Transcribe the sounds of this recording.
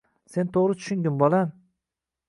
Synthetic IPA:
se̞nt̪ʰoʁɾɪt̪ʰʊ̥ʃʊŋɡʲɪnbɒlˠam

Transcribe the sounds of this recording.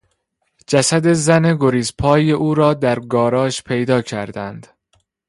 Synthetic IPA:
d͡ʒæsæd̪e̞zæne̞ɡoɾiːspʰɒːjeʔuːɾɒːd̪æɾɡɒːɾɒːʃpʰe̞jd̪ɒːcʰæɾd̪ænd̪̥

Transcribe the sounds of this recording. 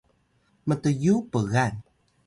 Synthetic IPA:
mət̪əjupəɣan

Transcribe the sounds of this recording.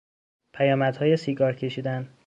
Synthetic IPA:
pʰæjɒːmæd̪̥hɒːjesiːɡɒːɾcʰe̞ʃiːd̪æn

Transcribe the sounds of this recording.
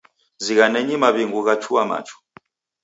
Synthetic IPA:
ziɣanɛɲimaβiŋɡuɣat͡ʃʰuwama̰t͡ʃʰu̥

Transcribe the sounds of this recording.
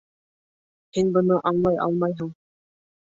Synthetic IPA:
hinbɤ̆nɤʔɑɴlˠɑjʔɑ̰lˠmɑjɦɤɴ

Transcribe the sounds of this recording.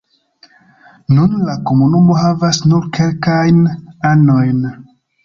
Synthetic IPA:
nunlako̞munumo̞ɦavasnuɾkʰe̞lkajnano̞jn

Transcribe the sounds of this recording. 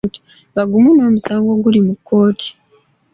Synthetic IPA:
ti̥ | βaɡumuno̞ːmusaːŋɡo̞ɡulimukʰːo̞ːtʰi̥

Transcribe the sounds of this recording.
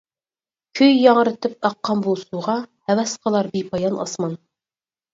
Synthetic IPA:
kʲʰøjːɑŋɾɨt̪ʰɨp̚ɑqːɑmbolˠsuʁɑhɛwɛsqʰəlˠɑɾbipʰɑjɑnɑ̰smɑn

